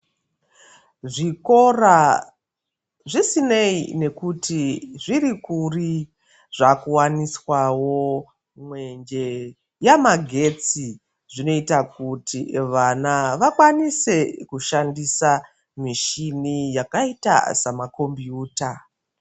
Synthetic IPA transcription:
ʐiko̞ra | ʐisineine̞kutiʐirikuri | ʐakuwaniswawo̞ | mwe̞nd͡ʒe | jamaɡʱe̞t͡si | ʐino̞itakutʰiʋanaʋakwanise̞kuʃandisa | miʃinijakaita̰samako̞mbjuːta

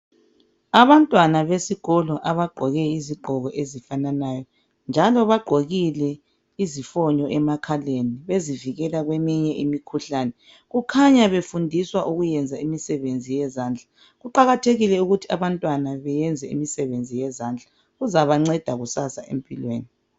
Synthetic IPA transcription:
aβantʼwanaβesiɣ̥ɔlɔʔaβaɡ͡ǃʱɔɣɛiziɡ͡ǃʱɔɣɔʔezifananajɔ | nd͡ʒʱalɔβaɡ͡ǃ̥ʱoɣilɛ | izifɔɲɔʔɛmakʰaleniβeziviɣɛlaɣwemiɲɛʔimikʰuɬaːnɛ | ɣukʰaɲaβefundʱiswaʔuɣujɛnd͡zʱaimisɛβend͡zʱijɛzaːnd͡ɮʱa | ɣuǃaɣatʰeɣilɛuɣutʰi̥aβantʼwanaβɛjɛnd͡zʱɛḭmisɛβend͡zʱijɛzaːnd͡ɮʱa | ɣuzaβaŋ͡ǀɛd̥ʱaɣusasaʔḛmpʼilwḛːni

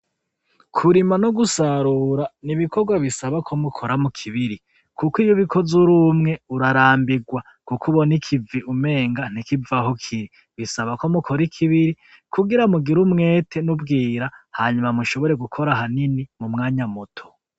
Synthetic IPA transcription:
kʰuɾimanoɡusaɾuːɾaniβikʰoɾɡwaβisaβakʰo̞mukʰoɾamukʰiβiɾi | kukijoβikʰo̞zuɾumŋe̞uɾaɾaːmbiɡwa | kukʰuβo̞nikʰiviʔume̞ːŋɡan̥ikivaɦokʰiɾi | βisaβako̞mukʰo̞ɾikʰiβiɾi | kʰuɡiɾamuɡiɾumŋe̞ːtʰe̞nubɡiːɾahaːɲumamuʃo̞βo̞ɾe̞ɡukʰo̞ɾaɦaninimumŋaːɲamutʰo̥

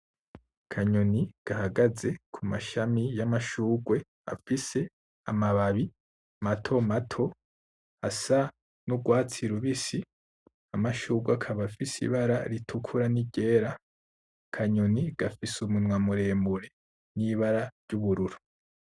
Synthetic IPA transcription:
kʰaɲoniɡ̥ahaɡaze̞kʰumaʃamijamaʃuːɡwe̞ | a̰fise̞ | amaβaβi | matʰo̞matʰo̞ | asa | nuɡwaːt͡siɾuβisi | amaʃuːɡwakʰaβafisḭβaɾaɾitʰukʰuɾaniɟe̞ːɾa | kʰaɲoniɡ̥afisumunwamuɾe̞ːmbuɾe̞ | niβaɾaɾɟuβuɾuɾu

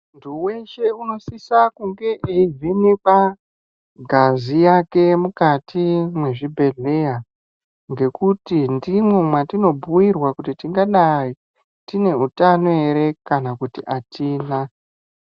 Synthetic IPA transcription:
nduwe̞ʃe̞uno̞sisakuŋɡe̞ʔeivinipa | ɡʱazijake̞mukatʰimwe̞ʐibʱe̞ɮeja | ŋɡe̞kutindimwemwatino̞bʱuwirwakutitiŋɡaɗai | tine̞utanoeɾe̞kanakutiʔatʰiːna

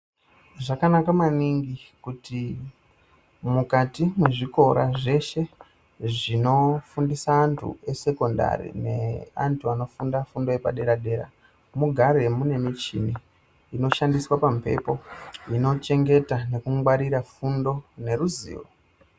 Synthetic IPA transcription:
ʐakanakamaniŋɡikuti | mukatimweʐiko̞ɾa̰ʐe̞ʃe̞ | ʐino̞fundisaːntʰṵe̞se̞ko̞nda̰ɾḭne̞̰a̰ntʰuano̞fundafundo̞epa̰ɗe̞ɾaɗe̞ːɾa̰ | muɡʱaɾe̞mune̞mit͡ʃimiː | no̞ʃandiswapampe̞̰po̞ino̞t͡ʃe̞ŋɡe̞tane̞kuwaɾiɾafundo̞ne̞ɾuzḭːʋo̰

